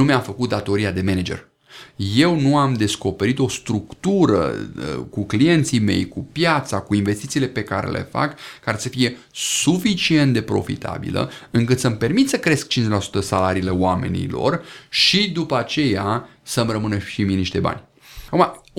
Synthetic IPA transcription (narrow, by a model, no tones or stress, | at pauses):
umeafəkut̪̚d̪at̪o̞ɾiad̪e̞me̞ned͡ʒe̞̰r | je̞wnuamd̪e̞sko̞pe̞ɾit̪o̞st̪ɾukt̪uɾə̰kuklije̞nt̪sijme̞̰jkupjat̪sakuinve̞st̪it̪siːle̞pe̞kaɾḛlʔe̞̰fa̰kːaɾe̞səfije̞ | sufit͡ʃie̞nt̪d̪e̞pɾo̞̰fḭt̪ʰa̰bḭlə̰ɨŋkɨt̪səmpe̞rmit̪səkɾe̞sk̚t͡ʃinzʲelasu̥t̪əsalaɾiːle̞oame̞̰nḭlo̞̰rʃid̪upəat͡ʃe̞ja | səmrəmɨnəʃiminiʃt̪e̞ba̰nʲ | akuma